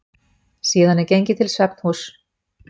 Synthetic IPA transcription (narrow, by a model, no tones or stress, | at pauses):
siːðanɛɾcejɲcɪt̪ʰɪlsvɛpn̥hus